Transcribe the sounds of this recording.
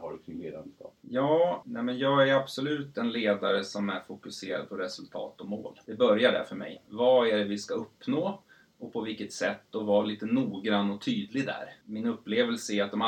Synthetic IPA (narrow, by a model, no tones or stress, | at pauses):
haɖɵk̪ɪnleːd̪ankɑ̰jɑːnɛmɛnjɑːɡæɾab̥sɔlʉ̟ːt̪ɛnleːd̪aɾəsɔmæɾfʊkɵseːɾa̰d̪̚pʰɔɾɛsɵlt̪ʰɑ̰ːt̪ɔmo̰ːld̪ɛbœɾjaɖæ̰fœɾmɛ̰jvaæɖɛvɪskaɵpːnoː | ɔpʰɔvɪlkːət̪sɛt̪ːɔvɑliːt̪ənuːɡɾanːɔt̪ʰyːd̪lɪɡd̪æ̰ɾmɪnɵpːleːvəlsəɪɾat̪d̪ɔm